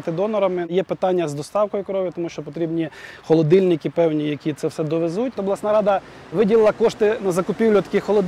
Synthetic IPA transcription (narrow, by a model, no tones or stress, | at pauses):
t̪ɪd̪ɔnɔɾɐmɪjɛpɪt̪ɑnʲːɐzd̪ɔst̪ɑwkɔjʊkɾɔʋʲit̪ɔmuʃt͡ʃɔpɔt̪ɾʲibnʲixɔlˠɔd̪ɪlʲnɪkɪpɛwnʲijɐkʲit̪sɛwsɛd̪ɔʋezutʲt̪ɔblˠɑsnɑɾɑd̪ɐ | ʋɪdʲilˠɪlˠɐkɔʃt̪ɪnɐzɐkʊpʲiwlʲʊt̪ɐ̥kɪxxɔlˠɔd̪